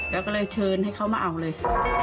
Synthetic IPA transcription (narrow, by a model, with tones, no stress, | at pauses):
lɛː˦˥wkɔ˥˩lɤː˧jt͡ɕʰɤː˧nha˥˩jkʰa˦˥˩wmaː˧ʔa˨˩wlɤː˧j